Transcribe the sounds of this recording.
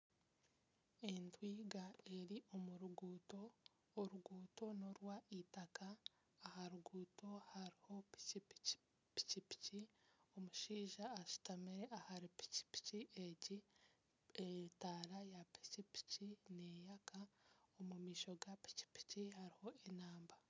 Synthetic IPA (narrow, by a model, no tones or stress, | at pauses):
entwiːɡae̞ɾiʔo̞muɾuɡuːto̞ː | ɾuɡuːto̞no̞ɾwaʔitakaː | haɾuɡuːto̞haɾiho̞pi̥p | pi̥cipi̥cio̞muʃiːʒaːʃi̥tamiɾeʔahaɾipi̥ci̥pi̥ciʔeɟi | etaɾajapi̥cipi̥cine̞jakaomumiːʃo̞ɡapi̥ci̥pi̥cihaɾiho̞enaːmba